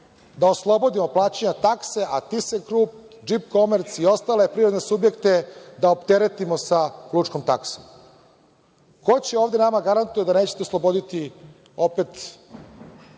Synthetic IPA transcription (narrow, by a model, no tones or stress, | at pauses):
d̪aoslˠo̞bo̞d̪imo̞plˠaːt͡ɕeɲat̪akse̞ʔat̪isekɾuːp̚ | d͡ʒipko̞meɾt̪sio̞st̪aːle̞pɾiɾod̪ne̞subje̞kt̪e̞d̪aopt̪eɾe̞t̪imo̞sakluːt͡ʃkomt̪a̰kso̰m | kot͡ɕeoːʋd̪enamaɡaɾant̪ujed̪ane̞ːt͡ɕet̪eoslˠo̞bo̞d̪it̪i | o̞pet̪